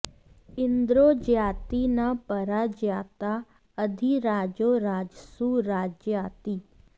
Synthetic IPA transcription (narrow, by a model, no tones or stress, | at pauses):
ɪnd̪ɾod͡ʒjat̪inapəɾad͡ʒjat̪a | əd̪ʱiɾad͡ʒoɾad͡ʒsuɾad͡ʒjat̪i